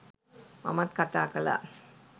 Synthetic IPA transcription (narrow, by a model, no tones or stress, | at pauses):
mɐ̰mɐt̪kɐt̪aːkɐla̰